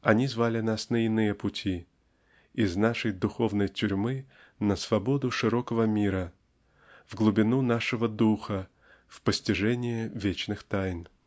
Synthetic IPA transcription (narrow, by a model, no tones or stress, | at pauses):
ɐnʲizvalʲɪnasnəɪnɨjəpʊtʲi | ɪznaʂəjd̪ʊxo̞vnəjtʲʊɾʲmɨ | nəsvɐbo̞d̪ʊʂɨɾo̞kəvəmʲiɾə | vɡlˠʊbʲɪnunaʂɨvəd̪uxə | fpəsʲtʲɪʐɛnʲɪjɪvʲet͡ɕnɨxt̪ajn